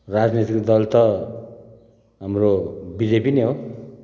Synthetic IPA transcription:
rad͡znit̪ikd̪ʌlt̪ʌ | ɦamrobid͡zepineɦo

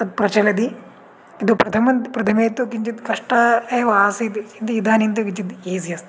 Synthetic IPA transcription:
t̪ɐd̪̚pɾɐt͡ʃɐlɐd̪i | id̪oːpɾɐt̪ʰɐmɐnd̪pɾɐt̪ʰɐmeːt̪oːkiɲt͡ʃit̪kɐʂʈaɐʋaːsid̪ind̪ɐid̪aːnint̪okit͡ʃid̪eːzijɐst̪

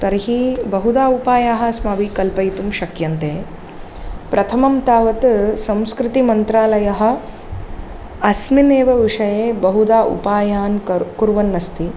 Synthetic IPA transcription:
t̪ɐɾɦibɐɦud̪aːupaːjaːɦɐsmaːʋikɐlpɐjt̪umʃɐkjɐnt̪eː | pɾɐt̪ʰɐmɐmt̪aːʋɐt̪sɐ̃mskɾɪt̪imɐnt̪ɾaːlɐjɐɦɐ̆ | ɐsmineːʋɐʋiʂɐjeːbɐɦud̪aːʔṵpaːjaːnkuɾʋɐnːɐst̪i

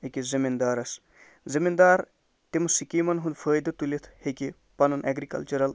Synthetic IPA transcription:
ekizimind̪aːɾɐs | zimind̪aːɾ | t̪imɐsikiːmɐnɦund̪pʰəːjd̪ɐt̪ulit̪ʰheki | pɐnunʔɛɡɾikɐ̰lt͡ʃɐɾɐl

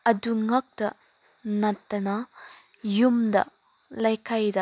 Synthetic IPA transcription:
ɐduŋɐk̚d̥ɐ | nɐtːɐnɐ | jumdɐ̰ | lajkʰajdɐ

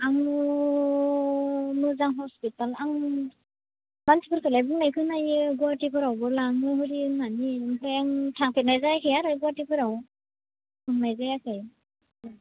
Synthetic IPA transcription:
aŋ | nɯzaŋɦɔspitalaŋ | bansʰipɯɾkʰɯlajbɯŋnajkʰɯnajɯɡuatikʰɯɾawbɯlaŋɯhɯɾiɯnːaniŋkʰɛŋtʰaŋpʰinajzajkʰɯjaɾajɡuatikʰɯɾaw | bɯŋnajzajakʰaj

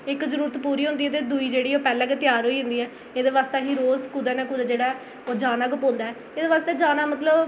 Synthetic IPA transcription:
ɪkzəɾuːɾət̪puːɾiːɦʊ̃nd̪iːɛːt̪̬eːd̪uiːd͡ʒeːɽiːoːpɛːlɛːket̪jaːɾɦoːiːɦʊ̃nd̪iːɛː | eːd̪eːʋaːst̪eːɦiːɾoːzkʊd̪ɛːnɛ̃ːkʊd̪aːd͡ʒeːɽaːɛː | oːd͡ʒaːnaːɡʊpõːnd̪aːɛː | eːd̪eːʋaːst̪eːd͡ʒaːnaːmət̪ləb

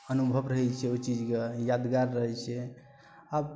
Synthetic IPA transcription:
ənubʱəbɾəɦɛt͡ʃʰɛot͡ʃid͡ʒkejad̪ɡaɾːəɦɛt͡ʃʰɛ | ab

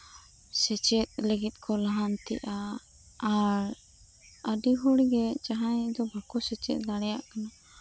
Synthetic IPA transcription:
sɛt͡ʃɛt̪̚ləɡit̪̚ˀkʰɔlaɦant̪ɛ̰ʔa | aɾ | əɖiɦɔɽɡɛd͡ʒaɦãd̪ɔbʱakɔsɛt͡ʃɛ̰t̪̚ˀlaɽɛjaʔkana

